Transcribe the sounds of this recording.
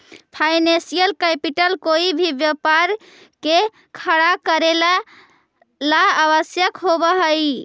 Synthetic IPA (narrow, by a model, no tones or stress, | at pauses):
pʰajnẽsijəlkɛpiʈəlkoibʱibjəpaɾ | ke | kʰəɽakəɾela | laaβəsjəkɦobəɦəj